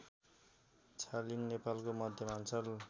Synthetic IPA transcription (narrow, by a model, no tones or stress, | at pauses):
t͡sʰaliŋnepalkomʌd̪ʱjʌmansʰʌl